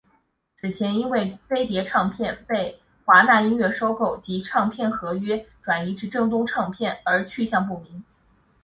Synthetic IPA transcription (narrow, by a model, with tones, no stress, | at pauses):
t͡sʰɹ̩˨˩t͡ɕʰjɛ˧˥ni˥nwe˥˩ɪfe˥ɪt̪jɛ˧˥ʈ͡ʂʰɑ˥˧ŋpʰjɛ˥˧npe˥˩ɪ | xwa˧˥na˥˩i˥nɥɛ˥˩ʂo˥ʊko˥˩ʊt͡ɕi˧˥ʈ͡ʂʰɑ˥˧ŋpʰjɛ˥˩nxɤ˧˥ɥɛ˥ʈ͡ʂwa˨˩ni˧˥ʈ͡ʂɻ̩˧˥ʈ͡ʂɤ˥˩ŋt̪̬ʊ˥ŋʈ͡ʂʰɑ˥˧ŋpʰjɛ˥˩nə˞˧˥t͡ɕʰy˥˧ɕjɑ˥˧ŋp̬u˥˩mi˧˥ŋ